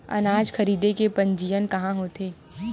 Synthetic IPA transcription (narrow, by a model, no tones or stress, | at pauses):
ɐ̰naːd͡ʒxɐɾiːd̪ekepɐ̃ɲd͡ʒiːjənkɐɦãɦoːt̪eː